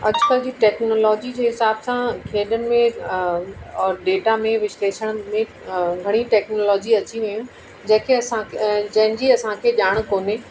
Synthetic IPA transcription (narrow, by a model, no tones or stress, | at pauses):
ɐɡsəɾd͡ʑiːʈɛːknoːlɔːd͡ʑid͡ʑeːɦɪsaːbsãkʰeːɗəɽɪ̆mẽ | ɔːɾɖeːʈamẽʋɪʃleːʃəɽ̃mẽ | ɡʱɐɽ̃iʈɛːknoːlɔːd͡ʑiɐt͡ɕiʋɐ̃jũ | d͡ʑɐ̃ɦɪ̃keɐsãd͡ʑɐ̃ɦɪ̃ɲd͡ʑiɐsãkʰeːʄaːɽ̃̆koːne